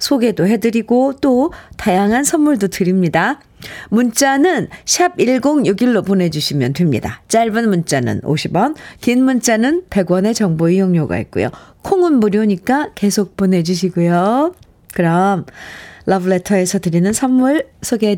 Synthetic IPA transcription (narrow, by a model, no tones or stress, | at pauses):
sʰoɡe̞doɦe̞dɯɾiɡot͈otajaŋɦansʰʌmːuɭdotɯɾimɲida | munt͡ɕ͈anɯnɕʰabiɭɡoŋjuɡiɭːopone̞d͡ʑuɕʰimjʌntwemɲḭda̰t͡ɕ͈aɭbɯnmunt͡ɕ͈anɯ̰no̰ɕʰibʌnkinmunt͡ɕ͈anɯnpe̞ɡwʌne̞t͡ɕʌŋboijoŋɲoɡa̰ḭt̚k͈ṵjo̰kʰoŋɯnbuɾjoɲik͈ake̞sʰok̚p͈one̞d͡ʑuɕ̬ʰiɡujo | kɯɾʌmlʔʌbɯɭetʰʌe̞sʰʌtɯɾinɯnsʰʌmːuɭsʰoɡe